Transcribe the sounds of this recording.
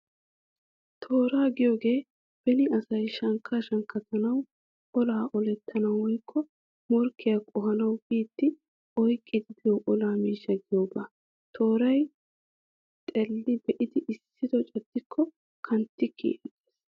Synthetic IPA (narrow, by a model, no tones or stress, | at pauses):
t̪ʰo̞ːɾaːɡɪjo̞ːɡe̞ː | b̥ɛnɪɐsɐjʃɐŋkʰːaʃɐŋkːɐt̪ɐnɐw | ʔɔlaːʔɔlɛt̪ʰːɐnɐwːɔjkʰːɔ | mɔɾkʰːɪjɐkʼɔɦɐnɐwbiːt̪ːɪ | ɔjkʼːɪd̪ɪd̪ɛjɔʔɔlaːmiːʃːɐɡɪjoːɡaː | t̪ʰo̞ːɾɐj | t̪ʼɛlːɪbɛʔɪd̪ɪʔɪsːɪd̪ɔt͡ʃʼɛd̪̥ːɪkʰːɔ | kʰɐnt̪ːɪkʰːḭːʔɛd̪eːs